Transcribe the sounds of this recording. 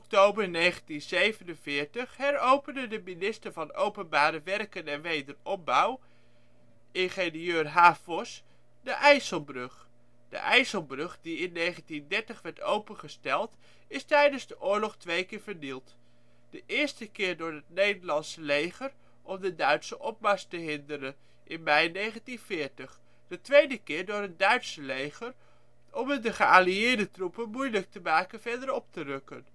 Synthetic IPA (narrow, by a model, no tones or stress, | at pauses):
ɔk̚towbəɹnejχəntinzejvənənvɪːɹtəχhɛɾowpəndədəminɪstəɹvɑno̰wpənbaːɾəʋɛrkənɛnʋejdərɔp̚bʌw | ɪnχeniøːɹɦaːvɔs | dəʔɛjsəlˠbrøχ | d̥ə̰ʔɛjsəlˠbrɵχdiɪnːejχəntindɛɹtəχʋɛɹtowpənχəstɛlˠt | ɪstɛjdənzdəʔʊːɹlɔχtʋejkɪːɹvəɹdilˠt | d̥əʔɪːɹstəkɪːɹdʊːɹɦət̚nejdəɹlɑnsəlejχəɹ | ʔɔmdədœɥtsəʔɔp̚maɹstəɦɪndəɾən | ʔɪnmɛjnejχəntinvɪːɹtəχ | d̥ətʋejdəkɪːɹdʊːɹət̚dœɥtsəlejχəɹ | ʔɔmɪndəχəaːliɪːɹdətrupənmujlək̚təmaːkənv̥ɛɹdəɾɔp̚tərɵkən